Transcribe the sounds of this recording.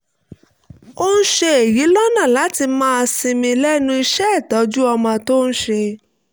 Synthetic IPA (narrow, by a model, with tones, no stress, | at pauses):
o˦ñ̩˦ʃe˧e˨ji˨˦lɔ˦nã˦˨la˨˦ti˧mãː˦˧sĩ˧mĩ˧lɛ˦nũ˧˦i˧ʃɛ˦ɛ˦˨tɔ˨˦d͡ʒu˦ɔ˧mɔ̃˧to˦ñ̩˦ʃe˧